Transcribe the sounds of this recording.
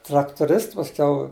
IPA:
trɐktʊˈrʲɪsts pɐˈsʲkʲɛʊ

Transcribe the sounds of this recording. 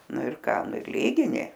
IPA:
ˈnʊ ɪr ˈkɑː ˈnʊ ɪr ˈlʲiːɡʲɪnʲɪ

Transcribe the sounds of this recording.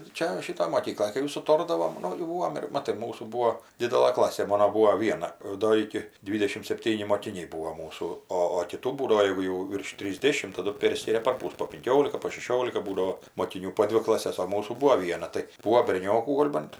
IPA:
ˈt͡ʃʲɛ ˈʃʲɪtoːj moːˈkʲiːklˠoːj kɐɪ jɛʊ sʊˈtoːrdɐʋoːm ˈnʊ jɛʊ ˈbuːʋoːm ɪr ˈmɑːtɐɪ ˈmuːsuː ˈbuːoː ˈdʲɪdʲɛlˠɘ ˈklˠɑːsʲeː ˈmɑːnoː ˈbuːoː ˈʋʲiɛnɐ ˈdoː ɪkʲɪ ˈdʲʋʲiːdʲɛʃʲɪm sʲɛpʲˈtʲiːnʲɪ moːkʲɪˈnʲɛɪ ˈbuːoː ˈmuːsuː ˈoː oː kʲɪˈtuː ˈbuːdɐʋoː ˈjɛɪɡʊ jɛʊ ʋʲɪrʃ tʲrʲɪzʲˈdʲeːʃʲɪm tɐˈdʊ ˈpʲeːrʲsʲkʲɪrʲɛ pɐrˈpʊs poː pʲɪŋʲˈkʲoːlʲɪkɐ poː ʃʲɛˈʃʲoːlʲɪkɐ ˈbuːdɐoː moːˈkʲɪnʲuː poː ˈdʲʋʲɪ klˠɐˈsʲɛs oː ˈmuːsuː ˈbuɔ ˈʋʲiɛnɐ tɐɪ ˈbuːoː bʲɛrʲˈnʲoːkuː ˈɡoːlʲ bɐnt

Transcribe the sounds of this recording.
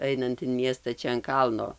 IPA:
ˈɐɪnɐnt ɪn ˈmʲiɛstɐ ˈt͡ʃʲɛ ɐn ˈkɐlˠnoː

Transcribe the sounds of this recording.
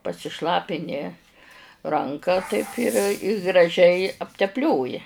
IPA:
pɐsʲɪˈʃlˠɑːpʲɪnʲɪ ˈrɐŋkɐ tɐɪp ɪr ɪ ɡrɐˈʒʲɛɪ ɐpʲtʲɛpʲˈlʲoːjɪ

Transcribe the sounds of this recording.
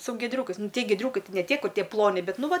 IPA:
sʊ ɡʲiɛˈdʲrʲuːkɐɪs nʊ ˈtʲiɛ ɡʲiɛˈdʲrʲuːkɐɪ ˈtɐɪ nʲɛ ˈtʲiɛ ˈkʊrʲ ˈtʲiɛ ˈplˠoːnʲɪ ˈbʲɛt ˈnʊ ˈʋɐ

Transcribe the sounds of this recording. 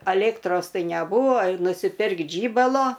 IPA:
ɐˈlʲeːktroːs ˈtɐɪ nʲɛˈbuːʋoː nʊsʲɪˈpʲɪrkt ˈʒʲiːbɐlˠoː

